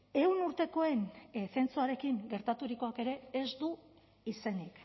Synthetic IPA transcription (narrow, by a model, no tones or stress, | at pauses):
e̞wnuɾt̪e̞ko̞e̞nθe̞nt͡suaɾe̞kiŋɡe̞ɾt̪at̪uɾiko̞ake̞ɾe̞ːzd̪u | ise̞nik